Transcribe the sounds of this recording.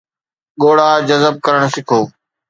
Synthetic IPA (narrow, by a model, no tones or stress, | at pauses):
ɠoːɽaːd͡ʑɐzəb̚kɐɾəɽ̃sɪkʰoː